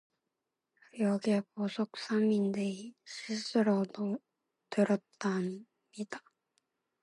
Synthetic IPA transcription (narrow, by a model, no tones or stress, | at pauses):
joɡekosokɯ̥samʲːind̪eɕisɯɾod̪o | t̪ɯɾot̪ːan | mid̪a